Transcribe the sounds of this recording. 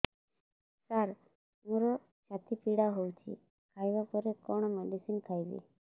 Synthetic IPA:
saɾ | muɾɔ | t͡ʃʰat̪ipiɽaɦowt͡ʃʰḭ | kʰajbapɔɾekɔɳ̃ɔmeɖisinkʰajbḭ

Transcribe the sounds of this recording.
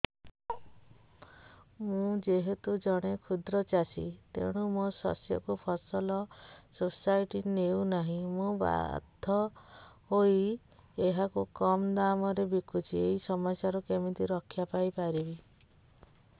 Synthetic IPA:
mũd͡ʒeɦet̪ud͡ʒɔɽ̃ekʰud̪ɾɔt͡ʃasḭt̪ḛɽ̃umosɔ̰sjɔ̰kupʰɔsɔlɔsosajʈineunaɦĩmũba̰d̪ʱɔhoi | eɦakukɔmd̪amɔɾebikut͡ʃʰieɦisɔmɔsjaɾɔkemit̪iɾɔkʰːjapajpaɾibi

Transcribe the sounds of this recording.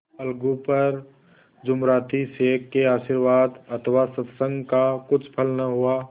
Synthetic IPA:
əlɡupəɾ | d͡ʒʊmɾaːt̪iseːkːeaːʃiɾʋaːd̪ət̪ʰʋasət̪sə̃ŋɡkakʊt͡ʃʰpʰəlnaɦuaː

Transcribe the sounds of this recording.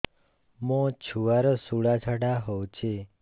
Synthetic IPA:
mõt͡ʃʰuaɾəsuɭat͡ʃʰaɽaɦowt͡ʃʰe

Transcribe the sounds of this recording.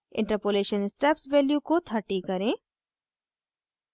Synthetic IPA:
ɪ̰̃ɳʈəɾpoːleːʃənsʈɛpsʋeːljukot̪ʰɐʈikɐɾẽː

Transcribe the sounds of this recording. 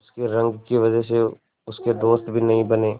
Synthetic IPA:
ʊskeɾɐ̃ŋɡkiʋɐd͡ʒəɦs̬e | ʊsked̪oːst̪bʱinɐɦĩbɐneː

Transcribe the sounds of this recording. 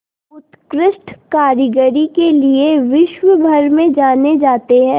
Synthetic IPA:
ʊt̪kɾɪsʈʰkaːɾɪɡəɾikelieʋɪʃʋəbʱɐɾmẽd͡ʒaːned͡ʒaːt̪eɦɛ̃ː

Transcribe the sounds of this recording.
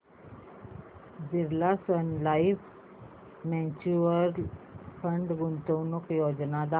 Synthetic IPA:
d͡ziɾlasənlaif | mɛ̃t͡ɕuəɾpʰəɳɖɡunt̪əwnukjod͡ʑnad̪a

